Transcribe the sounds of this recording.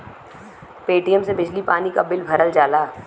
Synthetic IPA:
peːʈijəmsebɪd͡ʒlipaːnikɐbɪlbʱɐɾəld͡ʒaːlaː

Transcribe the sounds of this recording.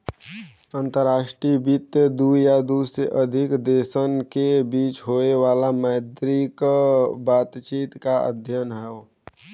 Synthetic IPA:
ənt̪əɾaːʃʈɾibit̪jəd̪ujad̪usɾeʔəd̪ʱɪkd̪esənkebiːt͡ʃɦoeʋaːlaməɪd̪ɾikbaːt̪t͡ʃiːt̪kaə̰d̪ʱjənɦɛo

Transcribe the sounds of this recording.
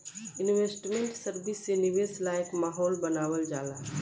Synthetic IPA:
ɪnʋeːsʈmẽɳʈsəɾbɪsːenɪʋeːslaːjəkmaːɦɔːlbɐnaːwəld͡ʒaːlaː

